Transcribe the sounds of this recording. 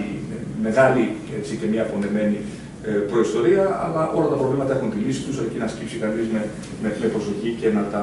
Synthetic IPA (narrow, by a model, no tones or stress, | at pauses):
ḭ | me̞ɣɐli | e̞t͡sic̪emiɐpo̞ne̞me̞ni | pɾo̞ist̪o̞ɾiɐɐ̰lɐʔo̞lɐt̪ɐpɾo̞vlimɐt̪ɐe̞xunt̪ilisi̥t̪usecinɐscipsikɐnizme̞ | meklipɾo̞so̞çice̞nɐt̪ɐ